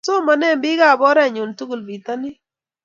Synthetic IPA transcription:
so˦ma˨nɛ˦˨mbɪ˦ɡa˦˨bɔ˦ɾɛ˦˨ɲʊ˨ntu˦ɡu˨lbi˨ta˦nɪ˦

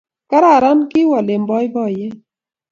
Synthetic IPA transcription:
ka˦ɾa˦˨ɾa˦nkɪ˦wa˨le˨mbɔ˦jbɔ˦˨je˦

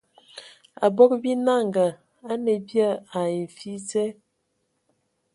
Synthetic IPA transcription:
a̰˨bɔ˦k̚bi˦na˦˨ŋɡa˨ | a˦ne˨bja˦a˨e˨ɱ˨fi˦zɛ˦

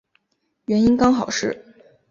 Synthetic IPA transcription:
ɥɛ˧˥ni˥nkɑ˥ŋxɑ˨˩ʊʂɻ̩˥˩

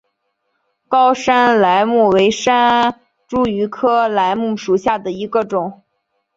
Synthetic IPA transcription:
kɑ˥ʊʂa˥nla˧˥ɪmu˥˩we˧˥ɪʂa˥n | ʈ͡ʂu˥y˧˥kʰɤ˥la˧˥ɪmu˥˩ʂu˨˩ɕja˥˩d̪ə˩i˧˥ɡə˧ʈ͡ʂʊ˨˩˦ŋ

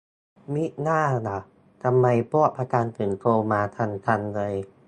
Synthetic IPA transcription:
mi˦˥ʔnaː˥˩na˨˩ | t̪ʰa˧mːa˧jpuː˦˥ə˨˩pʰaː˧kaː˧nt̪ʰɯː˨˩nt̪ʰoː˧maː˧t̪ʰa˧˥nt̪ʰa˧nlɤː˧j

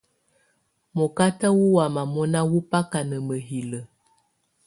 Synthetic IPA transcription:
mɔ˨ka˦tə˦wu˦wa˨ma˨mɔ˦na˦wu˦pa˦ka˨nə˨mə˨ɦi˨lə˨

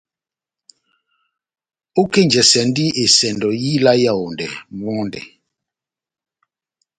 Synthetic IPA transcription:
o˦ke˦nd͡ʒɛ˨sɛ˨ndi˦e˨sɛ˨ndɔ˨ji˦la˦ja˦˨o˨ndɛ̰˨mɔ˦ndɛ̰˨

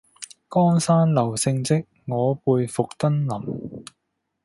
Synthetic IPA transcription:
kɔː˥ŋsaː˥nlɐ˨˩wsɪ˧ŋt͡sɪ˥k̚ŋɔː˨˧puː˧jfʊ˨k̚t̪ɐ˥nlɐ˨˩m

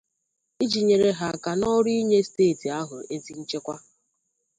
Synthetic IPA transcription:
i˦d͡ʒi˨ɲe˨ɾe˨ɦa˨ka˨nɔ˦ɾi˦ɲe˦steː˦˨ti˨a˦ɦʊ˨e˦ti˦n̩˦t͡ʃe˦kʷa˦

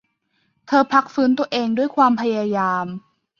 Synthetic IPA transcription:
t̪ʰɤː˧pʰa˦˥k̚fɯː˦˥nt̪u˧əʔeː˧ŋdu˥˩əjkʰwaː˧mpʰa˧jaː˧jaː˧m

